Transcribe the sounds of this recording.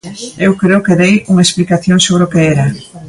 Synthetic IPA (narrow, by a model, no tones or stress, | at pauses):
ewkɾeʊkeðejuŋɐesplikaθjoŋsoβɾeokeɛɾɐ